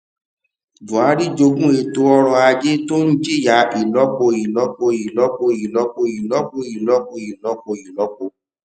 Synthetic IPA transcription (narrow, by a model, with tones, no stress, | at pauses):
d͡ʒu˨a˨˦ɾi˦d͡ʒo˧ɡũ˦e˧to˧˦ɔ˧ɾɔ˧a˧d͡ʒe˦to˦ñ̩˦d͡ʒe˦˨ja˨˦i˨lɔ˦k͡po˧i˨lɔ˦k͡po˧i˨lɔ˦k͡po˧i˨lɔ˨˦k͡po˧i˨lɔ˦k͡po˧˨i˨lɔ˨˦k͡po˧˨i˨lɔ˨˦k͡po˧˨i˨lɔ˨˦k͡po˧˨